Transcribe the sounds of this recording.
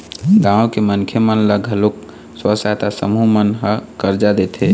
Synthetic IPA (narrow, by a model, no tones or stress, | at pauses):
ɡãõkemənkʰemənləɡʱəlok | swəsat̪asə̰mumənɦəkəɾd͡ʒad̪et̪ʰɦe